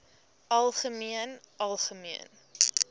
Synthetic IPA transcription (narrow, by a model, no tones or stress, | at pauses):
ʔɐlˠχəmiənɐlˠχəmiən